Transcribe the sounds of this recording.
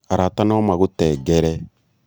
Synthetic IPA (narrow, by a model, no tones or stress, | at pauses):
aɾatanɔmaɣʊtɛːɡɛɾɛ